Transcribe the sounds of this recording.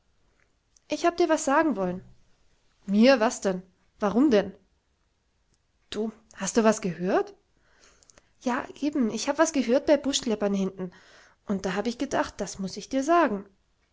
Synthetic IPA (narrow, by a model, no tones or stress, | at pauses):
ʔɪçhaːbəd̥iːɐvasz̥aːɡŋ̩vɔlən | miːɐvasd̥ɛn | vaʁʊmdɛn | d̥uː | hastd̥uːvasɡ̥əhøːɐt | jaːʔeːbm̩ʔɪçhaːbəvasɡ̥əɦøːɐt̚b̥aɪbʊʃlɛpɐnhɪntn̩ | ʔʊnt̚d̥aːɦaːbəɪçɡ̥ədaχt̚d̥asmʊsɪçd̥iːɐzaːɡŋ̩